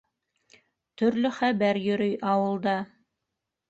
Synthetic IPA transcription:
t̪ɵ̆ɾlɵχæβæɾjɵ̆ɾɵjɑwɤ̆lˠd̪ɑ

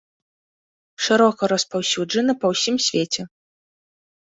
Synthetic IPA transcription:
ʂɨɾɔkɐɾɐspawsʲud͡ʐɐnɨpɐwsʲimsʲvʲet͡sʲɛ

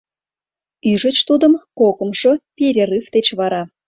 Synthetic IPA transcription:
yʒət͡ɕt̪ud̪əmkokə̆mʃopʲeɾʲerɨft̪et͡ɕβɑɾɑ

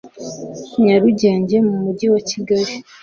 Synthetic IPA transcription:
ɲaɾuɟaːɲɟemumuɟiwaciɡaɾi

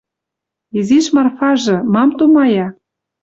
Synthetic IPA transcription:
iziʃmɑrfɑʒɤ̆mɑmt̪umɑjɑ

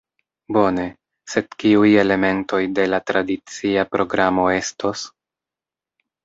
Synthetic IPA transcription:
bo̞ne̞ | se̞dkiuje̞le̞me̞nto̞jde̞latɾadit͡siapɾo̞ɡɾamo̞e̞sto̞s

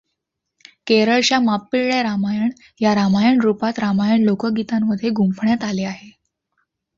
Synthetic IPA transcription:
keɾəɭt͡ɕjamapːiɭɭaɾamajəɳ | jaɾamajəɳɾupat̪ɾamajəɳlokəɡit̪amːəd̪ʱːjeɡumpɳjat̪aleaɦe

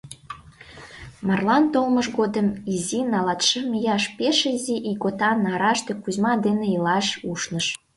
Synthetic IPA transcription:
mɑrlɑnt̪olməʃɣod̪əmizinɑlɑt̪ʃəmijɑʃpeʃəzʲiʔiɣot̪ɑnɑɾɑʃt̪ekuzmɑd̪eneilɑʃuʃnəʃ

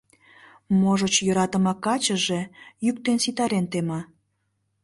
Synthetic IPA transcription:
moʒət͡ɕjøɾɑt̪əmɑkɑt͡ɕəʒe̽jyk̚t̪ensit̪ɑɾent̪emɑ

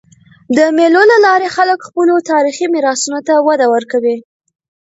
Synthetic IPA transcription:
d̪əmelolalɑɾexaləkxpəlot̪ɑɾiximiɾɑsunot̪awad̪awəɾkawi

